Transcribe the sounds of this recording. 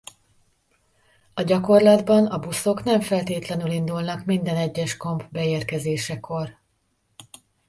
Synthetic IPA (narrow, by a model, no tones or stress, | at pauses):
ɒɟɒko̞rlɒd̪bɒnɒbuso̞knɛɱfɛlt̪eːt̪lɛnylind̪ulnɒkmind̪ɛnɛɟːɛʃko̞mpbɛeːrkɛzeːʃɛko̞r